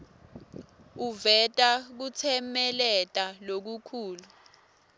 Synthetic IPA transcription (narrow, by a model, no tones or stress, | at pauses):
uvɛtʼak̬ut͡sʰɛmɛlɛtʼalok̬ukʰuːlu